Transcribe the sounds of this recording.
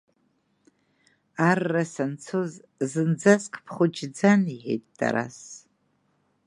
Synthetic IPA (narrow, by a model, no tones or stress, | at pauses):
arːasant͡sʰoz | zɨnd͡zaskʰʼpʰχʊt͡ʃd͡zaniħḛjtʼd̥a̰ɾa̰s